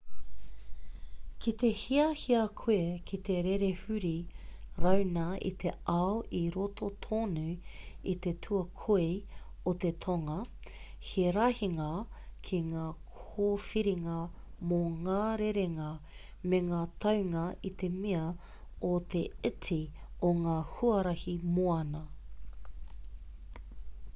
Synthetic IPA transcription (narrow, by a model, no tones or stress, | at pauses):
kʰit̪e̞hiɐhiɐkʰuekʰit̪eɾeɾehʉɾiɾɐwnɐḭt̪ʰeʔaoʔiɾot̪ʰot̪ʰoːnʉit̪etʰuɐkʰoe | ot̪e̞t̪ʰoŋɐ | heɾɐhiŋɐ | kʰiŋaːkʰoːfiɾiŋɐ | moŋaːɾeɾeŋɐ | meŋaːt̪ʰɐwŋɐʔit̪e̞miɐ | ot̪eɪtʰioŋaːhuɐɾɐhimoɐnɐ